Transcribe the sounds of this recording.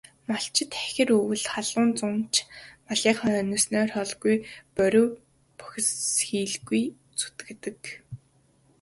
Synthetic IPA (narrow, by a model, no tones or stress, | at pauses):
mɔɬt͡ɕʰɪ̆t̪ʰæ̥xʲɪ̆ɾɵwɘ̆ɮχaɮʊːnt͡sʊn̥t͡ɕʰmɔɮiːχχœːnɪ̆r̥snɔːrɔɮɡujpœɾʲʊ̆w | pu̥x̆ʲsxiːɮɡuj | t͡su̥t̪ɘ̆kt̪ɘ̆k